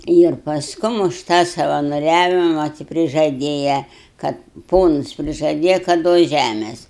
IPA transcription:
ˈiːr pɐsˈkʊm ʊʃ ˈtɑː sɐʋɐnoːˈrʲæːʋʲɪmɐ tʲɪ pʲrʲɪʒɐˈdʲeːjɛ ˈkɐt ˈpoːnʊs pʲrʲɪʒɐˈdʲeːjɛ kɐt ˈduɔs ˈʒʲæmʲeːs

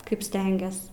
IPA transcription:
ˈkɐɪp ˈsʲtʲɛŋʲɡʲɛs

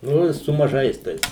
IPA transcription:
ˈnʊ ɪ sʊ mɐˈʒɐɪs ˈtɐɪs

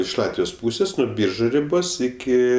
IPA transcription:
ɪʃ ˈlˠɑːtʲʋʲɪjoːs ˈpuːsʲeːs nʊ ˈbʲiːrʒʊ rʲɪˈboːs ˈɪkʲɪ

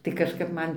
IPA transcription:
tɐɪ kɐʃˈkɐp ˈmɐn

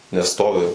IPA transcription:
nʲɛs ˈstoːʋʲɪ

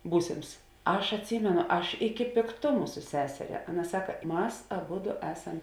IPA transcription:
ˈbuːsʲeːms ˈɐʃ ɐtʲˈsʲiːmʲɛnʊ ˈɐʃ ɪkʲɪ pʲeːkˈtʊmʊ sʊ ˈsʲæːsʲɛrʲɛ ˈɑːˌnɐ ˈsɑːkɐ ˈmɐs ɐˈbʊdʊ ˈæːsɐm

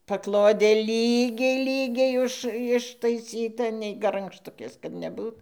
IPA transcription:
pɐˈklˠoːdʲeː ˈlʲiːɡʲɛɪ ˈlʲiːɡʲɛɪ ˈʊʃ ɪʃtɐɪˈsʲiːtɐ nʲɛɪ ɡɐrɐŋkʃˈtʊkʲeːs kɐt nʲɛˈbuːt

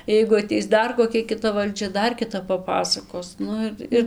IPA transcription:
jɛɪɡʊ ɐˈtʲɛɪs ˈdɐr koːˈkʲɛ kʲɪˈtɐ ʋɐlʲˈd͡ʒʲɛ ˈdɐr kʲɪˈtɐp pɐˈpɑːsɐkoːs ˈnʊ ɪr ɪr

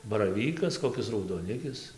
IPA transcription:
bɐrɐˈʋʲiːkɐs koːˈkʲɪs rɐʊdoːˈnʲɪkʲɪs

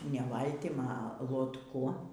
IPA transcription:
nʲɛ ˈʋɐlʲtʲɪm ɐ lˠoːtˈkʊ

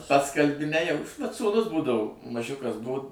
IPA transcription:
ˈpɐts kɐlʲˈbʲɪ ˈnʲæːjɛʊ ʋɐt suːˈnʊs ˈbuːdɐʋʊ mɐˈʒʲʊkɐs ˈbʊʊ

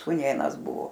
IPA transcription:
suːˈnʲeːnɐs ˈbʊʋoː

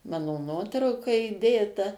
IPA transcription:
ˈmɑːnoː ˈnuɔtrɐʊkɐ iːˈdʲeːtɐ

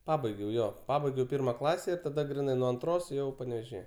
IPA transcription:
ˈpɑːbɐɪɡʲɛʊ ˈjoː ˈpɑːbɐɪɡʲɛʊ ˈpʲɪrmɐ ˈklˠɑːsʲɛ ɪr tɐˈdɐ ɡrʲɪˈnɐɪ nuɔ ɐnˈtroːs ˈjɛʊ pɐnʲɛʋʲeːʒʲɪˈjɛ

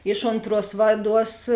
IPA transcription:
ˈɪʃ oːnˌtruɔs ˈʋɑːˌduɔs

